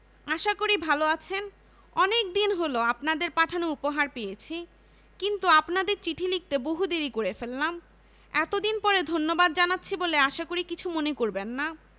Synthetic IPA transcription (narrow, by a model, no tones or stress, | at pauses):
aʃakoɾibʱaloat͡ɕʰen | ɔnek̚d̪inɦoloapnad̪eɾpaʈʰanoupoɦaɾpejet͡ɕʰi | kint̪uapnad̪eɾt͡ɕiʈʰilik̚t̪eboɦud̪eɾikoɾefelːam | ɛt̪od̪inpɔɾed̪ʱonːobad̪̚d͡ʑanatːɕʰiboleaʃakoɾikit͡ɕʰumonekoɾbenːa